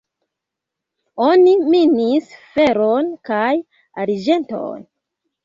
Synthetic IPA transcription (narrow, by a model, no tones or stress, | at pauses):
o̞niminisfe̞ɾonkaj | aɾid͡ʒe̞nto̞̰n